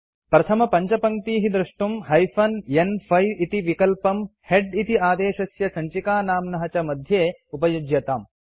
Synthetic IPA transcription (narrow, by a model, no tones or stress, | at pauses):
pɾɐt̪ʰɐmɐpɐɲt͡ʃɐpɐŋt̪iːɦid̪ɾuʂʈumɦɐjfʰɐnjenpʰɐjʋit̪iʋikɐlpɐmheɖit̪iaːd̪eːʃɐsjɐsɐɲt͡ʃikaːnaːmnɐɦɐt͡ʃɐmɐd̪ʱjeː | upɐjud͡ʒjɐt̪aːm